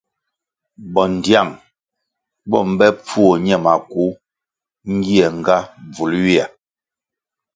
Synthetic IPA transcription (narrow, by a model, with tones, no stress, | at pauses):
bɔ˨n˨dja˦˨ŋ | bɔ˦˨m̩˦bɛ˦p͡fu˦o˨ɲɛ˦˨ma˨ku˨˦ | ŋ̩˦ɡi˦ɛ˨ŋ˨ɡa˦b͡vu˨lɥi˦a˨